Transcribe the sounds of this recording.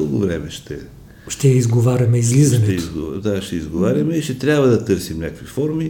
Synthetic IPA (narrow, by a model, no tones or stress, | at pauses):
əlˠɡʊvɾɛmɛʃt̪ɛ | ʃt̪ɛjɐizɡovaɾʲɐmɛizlizɐnɛɛizɡod̪aʃt̪ɛizɡovaɾʲɐmɛiʃt̪ɛt̪ɾʲabvɐd̪ɐt̪ɤɾsimnʲakkvifɔɾmi